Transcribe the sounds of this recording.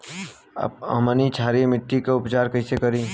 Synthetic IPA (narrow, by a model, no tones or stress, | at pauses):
ɐ̰mənit͡ʃʰaːɾimɪʈːikaʊpt͡ʃaːɾkɐɪsekɐɾiː